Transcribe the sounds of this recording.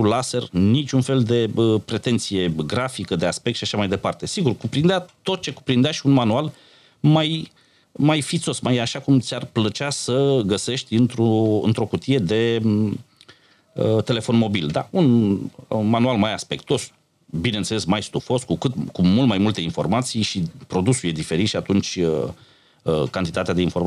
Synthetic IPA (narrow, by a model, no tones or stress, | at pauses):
ulase̞rnit͡ʃʲunfe̞ld̪e̞əpɾe̞t̪e̞nt̪sije̞ɡɾafikəd̪easpekt̪ʃiaʃamajd̪e̞part̪e̞siɡurkupɾind̪eat̪o̞t̪̚t͡ʃe̞kupɾind̪eaʃiunmanual | maj | majfit̪so̞smajaʃakumt̪sʲarplət͡ʃasəɡəse̞ʃt̪ʲɨnt̪ɾuɨ̰nt̪ɾo̞kut̪ije̞d̪e̞ | ət̪e̞le̞fo̞nmo̞bild̪a̰un | manualmajaspe̞k̚t̪oo̞s | bine̞nselesmajst̪ufo̞skukɨt̪kumult̪majmult̪e̞info̞̰rmat̪sijʃipɾo̞d̪usuljed̪ife̞ɾit̪ʃiat̪unt͡ʃʲə | kant̪it̪at̪ead̪einfo̞rma